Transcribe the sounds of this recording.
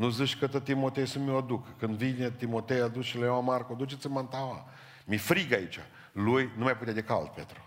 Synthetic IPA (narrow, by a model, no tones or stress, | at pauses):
nuzɨʃkət̪ət̪imot̪ejsəmioad̪ukəkɨnd̪vinet̪imo̞t̪ejad̪usʃilajawamarkod̪ut͡ʃesɨmant̪awa | mifɾiɡait͡ʃa | lujnumajp̬ut̪jad̪ekald̪̚pḛt̪ɾu